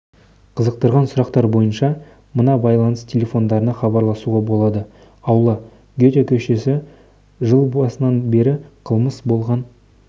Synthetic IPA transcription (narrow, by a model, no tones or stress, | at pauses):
qʰəzəq̚t̪əɾʁɑnsʊɾɑqt̪ɑɾbo̞jənʃɑ | mənɑbɑjlˠɑnəstʲʰe̞lʲe̞fo̞nd̪ɑɾənɑχɑbɑɾlˠɑsuʁɑbo̞lˠɑd̪ə | ɑwlˠɑ | ɡʲet̪ʲekʲʰɵʃe̞sɪ | ʒəlˠbɑsənɑnbe̞ɾɪqʰəlˠməsbo̞lˠʁɑn